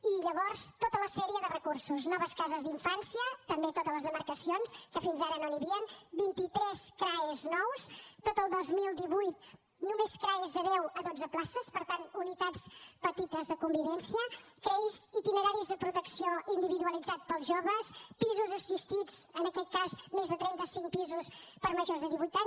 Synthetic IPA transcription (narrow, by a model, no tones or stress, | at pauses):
iʎəβɔɾst̪ot̪ələsɛɾiəðərəkuɾsuznɔβəskazəzd̪iɱfansiət̪əmbet̪ot̪ələzðəməɾkəsionskəfinzaɾənoniβiənbint̪it̪ɾɛskɾaeznɔwst̪ot̪əlˠd̪ozmilˠd̪iβujt̪̚ | numeskɾaezðəðɛwəðod͡zəplasəspəɾt̪anunit̪at͡spət̪it̪əzðəkumbiβɛnsiəkɾɛizit̪inəɾaɾizðəpɾut̪əksioʔind̪iβiðuəlˠid͡zat̪̚pəlˠzʒoβəspizuzəsist̪id͡zənəkɛt̪̚kazmezðət̪ɾɛnt̪əsiŋk̚pizuspəɾməʒoɾzðəðiβujt̪a